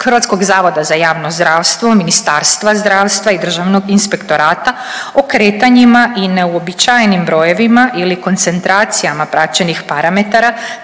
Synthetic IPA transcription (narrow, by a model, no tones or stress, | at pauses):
xr̩ʋat̪sko̞ɡzaːʋo̞d̪azajaːʋnozd̪ɾaːʋst̪ʋominist̪aɾst̪ʋazd̪ɾaːʋst̪ʋaid̪r̩ʒaʋno̞ɡinspe̞kt̪o̞ɾaːt̪a | okɾe̞ːt̪aɲimaʔine̞uo̞bit͡ʃajenimbɾo̞je̞ʋimaʔiliko̞nt̪se̞nt̪ɾaːt̪sijamapɾat͡ʃenixpaɾame̞t̪aɾa